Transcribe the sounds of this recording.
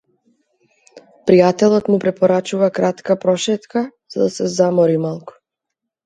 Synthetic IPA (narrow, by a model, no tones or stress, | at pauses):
pɾijat̪ɛlˠɔt̪mupɾɛpɔɾat͡ʃuvakɾat̪kapɾɔʃɛt̪kaz̥ad̪asɛzamɔɾimalˠku̥